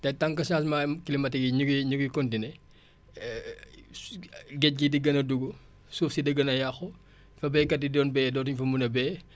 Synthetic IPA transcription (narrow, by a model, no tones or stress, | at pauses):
tɛtɐŋkɐsasmamkilimɐtiɡiɲuɡiɲuɡikɔndinɛ | ɡɛc̚ɡidiɡɐnɐduɡu | suːfsidɐɡɐnɐjɐxɔ | fɐbɛːkɐdidɔːnbɛːdɔːtuɲfɐmunɐbɛː